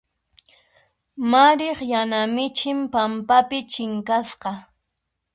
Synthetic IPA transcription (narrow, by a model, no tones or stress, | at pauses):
maɾeχjanamɪt͡ʃɪmpampapɪt͡ʃɪŋkasqɑ